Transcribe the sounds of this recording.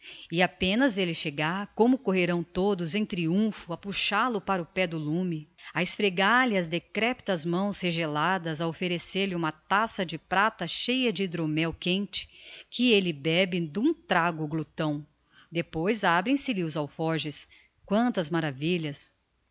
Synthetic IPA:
ɪapẽnɐzelɪʃeɡaɾkõmʊkoɦeɾɐ̃w̃t̪od̪ʊzẽj̃t̪ɾiũfʊɐpuʃalʊpaɾʊpɛd̪ʊlũmɪaɪsfɾeɡaɾlɪɐzd̪ekɾɛpt̪ɐzmɐ̃w̃sheʒelad̪ɐzɐofeɾeseɾlɪũmɐt̪asɐd͡ʒɪpɾat̪ɐʃejɐd͡ʒɪd̪ɾomɛwkẽnt͡ʃɪ̥kɪelɪbɛbɪd̪ũt̪ɾaɡʊɡlut̪ɐ̃w̃ | d̪epojzabɾẽj̃sɪlɪʊzawfɔɾʒɪs | kwɐ̃nt̪ɐzmaɾaviʎɐs

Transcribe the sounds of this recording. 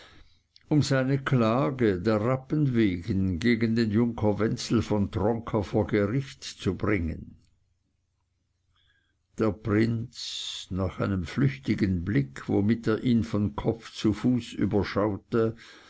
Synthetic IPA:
ʊmzaɪnəkʰlaːɡədeːɐʁapənveːɡənɡeːɡəndeːnjʊŋkʰɐvɛnt͡sl̩fɔntʁɔŋkʰɐfoːɐɡəʁɪçtt͡subʁɪŋə̰n | d̥eːɐpʁ̥ɪnt͡snaːχaɪnəmflʏçtɪɡənblɪkʰvo̰mɪteːɐʔiːnfɔnkʰɔp͡ft͡sufuːsy̰ːbɐʃaʊtə

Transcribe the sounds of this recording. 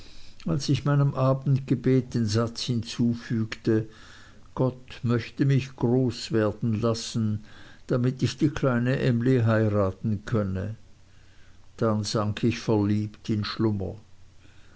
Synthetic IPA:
ʔalsɪçmaɪnəmʔaːbn̩tɡ̥əbeːt̚d̥eːnzat͡shɪnt͡suːfyːktə | ɡ̥ɔtmœçtəmɪçɡ̥ʁoːsv̥eːɐdn̩lasn̩d̥amɪtɪçd̥iːkʰlaɪnəʔɛmliɦaɪʁaːtn̩kʰœnə | d̥anzaŋkʰɪçfɛɐliːptɪnʃlʊmɐ̰

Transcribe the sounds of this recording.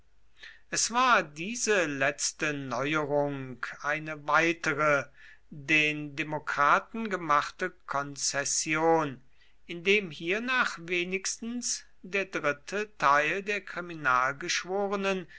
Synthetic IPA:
ʔɛsv̥aːɐdiːzəlɛt͡stənɔʏəʁʊŋkʔaɪnəvaɪtəʁə | deːndemokʁ̥aːtn̩ɡəmaχtəkʰɔnt͡sɛsjoːn | ʔɪndeːmhiːɐnaːχveːnɪkstn̩s | d̥eːɐdʁɪtʰətʰaɪldeːɐkʁ̥iminaːlɡəʃv̥oːʁənən

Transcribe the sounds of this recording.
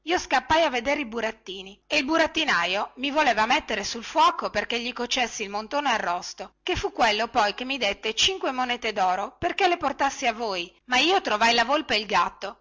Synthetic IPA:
iːoskapːajavːed̪eɾeibuɾat̪ːiːnieilbuɾat̪ːinajomivoleːvamet̪ːeɾesulfwɔːkoperkeʎːikot͡ʃːesːiːlmont̪oːnoarːɔst̪okefukːwelːopɔjkemːid̪et̪ːet͡ʃiŋkwemoneːt̪ed̪ɔːɾoperkeleport̪asːiavoːj | maiːot̪ɾovajlavolpeilɡat̪ːo

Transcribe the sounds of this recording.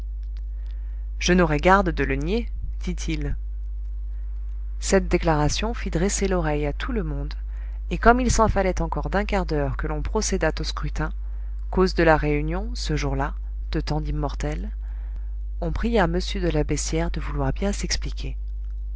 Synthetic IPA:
ʒ̥ənɔʁɛɡaʁd̪d̪ələnje | d̪̥it̪ʰil | sɛt̪̚d̪eklaʁasjɔ̃fid̪ʁeselɔʁɛjat̪ʰuləmɔ̃d̪ | ekɔmilsɑ̃falɛt̪ɑ̃kɔʁd̪ɛ̃kaʁd̪œʁkəlɔ̃pχɔsed̪at̪oskχyt̪ɛ̃ | kozd̪əlaʁeynjɔ̃səʒuʁla | d̪̥ət̪ɑ̃d̪imːɔʁt̪ɛl | ɔ̃pχijaməsjød̪əlabɛsjɛʁd̪əvulwaʁbjɛ̃sɛksplikʲʰe

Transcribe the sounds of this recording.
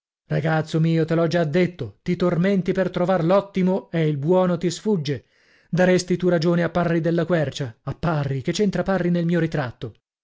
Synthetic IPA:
raɡat̪sːomiːot̪elɔd͡ʒad̪ːet̪ːot̪it̪orment̪ipert̪ɾovarlɔt̪ːimoeilbwɔːnot̪isfud͡ʒːe | d̪aɾest̪it̪uɾad͡ʒoːneapːarːid̪elːakwɛrt͡ʃaːpːarːiket͡ʃːent̪ɾaparːinelmiːoɾit̪ɾat̪ːo

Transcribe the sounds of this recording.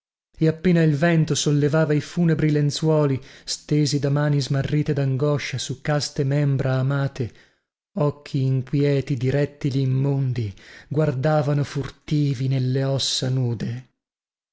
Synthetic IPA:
eapːeːnailvɛnt̪osolːevaːvaifuːnebɾilent̪swɔːlist̪eːzid̪amaːnizmarːiːt̪ed̪aŋɡɔʃːasukːast̪emɛmbɾʔaːmaːt̪e | ɔkʰːiːŋkwjɛːt̪id̪iɾɛt̪ːiliːmːond̪iɡward̪aːvanofurt̪iːvinelːeɔsːanuːd̪e

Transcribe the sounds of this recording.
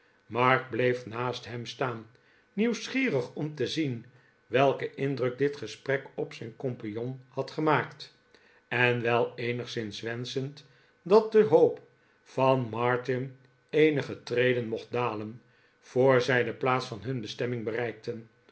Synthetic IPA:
mɑɹk̚blejfnaːstɦɛmstaːnː | iwsχiːrəχɔmtəzin | ʋɛlˠkəʔɪndrɵk̚dɪtχəsprɛkɔpsɛjnkɔmpijɔnhɑtχəmaːkt | ɛnʋɛlˠejnəχsɪnsʋɛnsənt | dɑt̚dəɦowp | fɑnmɑɹtɪn | ejnəχətrejdənmɔχt̚daːlən | v̥oːɹzɛjdəplaːt̪sfɑnɦɵnbəstɛmɪŋbərɛjk̚tən

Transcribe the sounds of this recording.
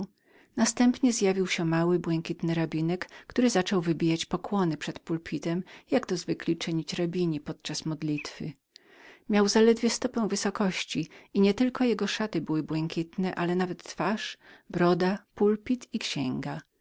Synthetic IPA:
nast̪ɛmpɲɛzjavʲiwɕɛmawɘbwɛŋkʲit̪nɘɾabʲinɛkːt̪uɾɘzat͡ʂɔwvɘbʲijat͡ɕpɔkwɔnɘpʂɛt̪pulpʲit̪ɛmjaɡt̪ɔzvɘklʲit͡ʂɘɲit͡ɕɾabʲiɲipɔt̪̚t͡ʂasmɔd̪lʲit̪fɘ̰ | mʲjawzalɛd̪vʲjɛst̪ɔpɛ̃w̃vɘsɔkɔɕt͡ɕiiɲɛt̪ɘlkɔjɛɡɔʂat̪ɘbɘwɘbwɛŋkʲit̪nɛʔalɛnavɛt̪ːfaʂbɾɔd̪apulpʲit̪ikɕɛŋɡa

